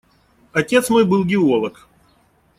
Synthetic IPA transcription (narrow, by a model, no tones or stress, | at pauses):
ɐtʲe̞t̪smo̞jbɨlˠɡʲɪo̞lˠək